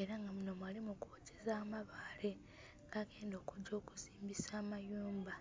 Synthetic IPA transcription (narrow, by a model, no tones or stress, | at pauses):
e̞ɾaŋɡamuno̞mwaːlimukuːcezaːmaβaːle | ŋɡaɡe̞ːndo̞ːkuɟo̞ːku̥ziːmbisaːmajuːmba